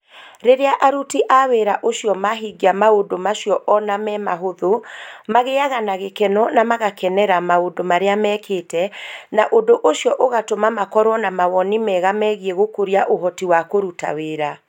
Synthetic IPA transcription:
ɾeɾeaʔaɾutiʔaweɾaʔoʃijɔmaɦiɡiamaodomaʃjɔʔɔnamɛmaɦoðomaɣeaɣanaɣekɛnɔnamaɣakɛnɛɾamaodomaɾeamɛːkʰetɛnaʔodoʔoʃjɔʔoɣatomamakɔɾwɔnamawɔnimɛɣamɛɣieɣokoɾiaʔoɦɔtiwakoɾuta̰weɾa

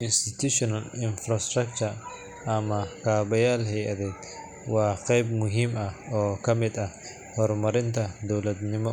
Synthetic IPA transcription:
ʔɪnst̪ɪt̪uʃɔnɐlɪnfɾɐst̪ɾɐk̚t͡ʃɐr | ʔɐmɐkaːbɐjaːlɦɛjʔɐðɛːd̪ | wɑːqɛjbmʊɦiːmɐɔːkʰɐmɪd̪ɐ | hɔɾmɐɾɪnt̪ʰɐd̪ɔwlɐd̪nɪmɔ

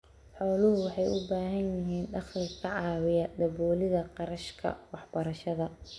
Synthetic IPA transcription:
ħɔːlʊɦʊwɑħɑjʊbaːɦɐnjɪɦiːnɖɑχlɪkʰɐʕɑːwɪjɐd̪ɐbɔːlɪðɐqɑɾɐʃkʰɐ̰wɑħb̥ɐɾɐʃɐðɐ

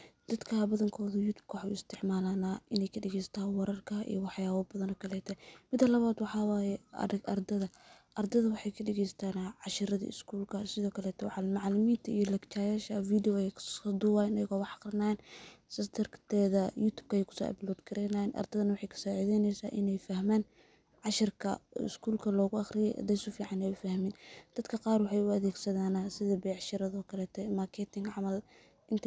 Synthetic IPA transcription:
d̪ɐd̪kʰɐbɐðɐŋkʰɔːðʊjuːt̪ʰu̥b̥̚kʰɐwħuːɪst̪ʰɪʕmaːlaːnaːʔɪnɛjkʰɐɖɛɣɛjsɐ̥t̪ʰaːnwɑɾɐrkʰɐʔḭjwɑħjaːβɔbɐðɐnɔːkʰɐlɛːt̪ʰɛmɪd̪ːɐlɐβaːd̪wɑħɑːwaːjɛ̰ʔɐrd̪ɐðɐʔɐrd̪ɐðɐwɑħɑjkʰɐɖɛɣɛjst̪ʰaːnaʕɑʃɪɾɐðɐ̰ɪ̰skʰuːlkʰɐsɪðɔːkʰɐlɛːt̪ʰɔʕmɑʕlɪmiːnt̪ʰɐijɔlɐkt͡ʃʰaːjaːʃɐfiːd̪iwɔɛjkʰɐd̪uwaːjnɐjɐɣɔwɑħɑqrɐnaːjɛnsɐst̪ʰɐrt̪ʰɛːðɐjuːt̪ʰuːb̚kʰɐɛjkʰʊ̥sɔ̰ːʔɐ̰blɔːd̪kʰɐɾɛnanʔɐ̰rd̪ʰɐðɐnɐwɑħɑjkʰɐ̥sɔːʕɪðɛnɛjsaːʔɪnɛjfɐhmaːn | ʕɑʃɪrkʰɐ̰ɪ̰skʰuːlkʰɐlɔːɣʊɑχrɪjɛʔd̪ɐsʊfiːʕɑnɛjʊfɐhmɪnd̪̥ɐd̪kʰɐqɑːrwħɑjʊɐðɛːɡsɐðaːnasɪðɐbɛjʕɑʃɪɾɐðɔːkʰɐlɛːt̪ʰɔmarkʰɛt̪ʰɪŋɡʕɑmɐl | ʔɪnt̪ʰ

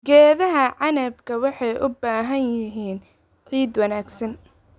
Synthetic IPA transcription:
ɡɛːðɐɦɐʕɑnɐbkʰɐwɑħɑjʔʊbaːɦɐnjɪɦiːn | ʕiːd̪wɐnaːɡsɐn

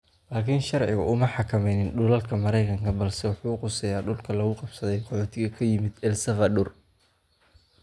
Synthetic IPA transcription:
laːkʰiːnʃɑrʕɪɣɐʔʊmɐħɑkʰɐmɛjnɪnɖʊlɐlkʰɐmɐɾɛjkʰɐŋkʰɐbɐlsɛwʊħuːqʊsɛjaːɖʊlkʰɐlɐɣʊqɑbsɐðɛjqʰɔħɔːt̪ʰɪɣɐkʰɐjɪmɪd̪ɛlsɐfɐɗʊr

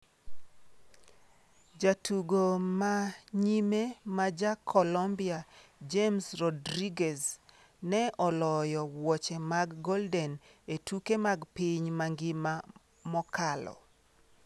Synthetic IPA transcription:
d͡ʒatʰuɡomaɲimemad͡ʒakʰɔlɔmbiɪad͡ʒemsrɔdɾiɡɛs | nɛʔɔlɔjɔwɔt͡ʃɛmaɡːɔldɛnetukemaɡpiɲmaŋɡɪma | mɔkalɔ̰

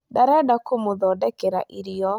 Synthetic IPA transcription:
daɾɛdakomoðɔdɛkɛɾa̰ʔiɾiɔ

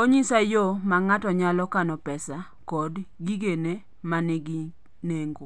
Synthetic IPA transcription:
oɲisajomaŋatɔɲalɔkanɔpɛsa | kɔdɡiɡene | manɪɡi | neŋɡo

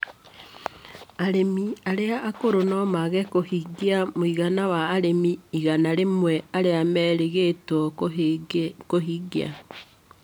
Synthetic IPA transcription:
aɾemiaɾeaʔːkoɾonɔmaɣɛkohiɡiamoiɣanawaːɾemiiɣanaɾemwɛaɾeamɛɾeɣetɔ | koɦiɡia̰

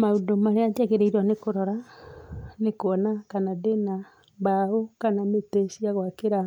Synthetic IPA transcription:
maudomaɾeatakeɾɛiɾɔnekoɾɔɾa | nekoɔnakanadena | baokanametesiaɣwakeɾa

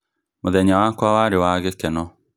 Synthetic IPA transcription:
moðɛɲawakwawaɾewaɣekɛnɔ

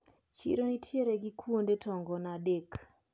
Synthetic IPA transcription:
t͡ʃḭɾonitʰjeɾeɡikwondetʰɔŋɡɔnadek

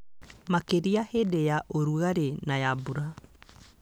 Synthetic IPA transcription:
makeɾiahedejaʔoɾuɣaɾenajabuɾa

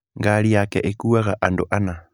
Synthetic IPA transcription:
ŋɡaliakɛʔekuaɣaʔandoʔana

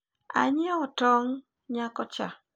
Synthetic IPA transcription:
a̰ɲɪɛɔtɔŋ | ɲakɔt͡ʃa̰

